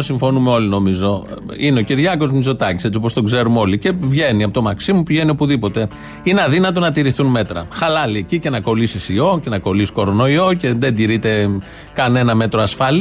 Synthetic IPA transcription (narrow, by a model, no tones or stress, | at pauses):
osiɱfo̞numeolino̞mizo̞ineo̞ciɾʝɐko̞zmizo̞t̪ɐci̥st͡siopo̞st̪o̞ɡze̞ɾumo̞lice̞vʝe̞niɐpot̪omɐksimupiʝe̞nio̞puðipo̞t̪e̞ | inɐðinɐt̪o̞nɐt̪iɾiθunme̞t̪ɾɐ̰xɐlɐlicice̞nɐko̞lisisio̞ce̞nɐko̞lisko̞ɾo̞no̞io̞ce̞ðed̪iɾit̪e̞ | kɐne̞nɐme̞t̪ɾoɐsfɐl